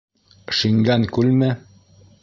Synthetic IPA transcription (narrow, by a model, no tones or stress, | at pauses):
ʃiŋɡæŋkʉlmɘ